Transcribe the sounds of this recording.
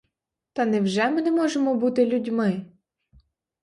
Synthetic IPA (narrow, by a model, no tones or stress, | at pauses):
t̪ɐnɛwʒɛmɪnɛmɔʒemɔbut̪ɪlʲʊdʲmɪ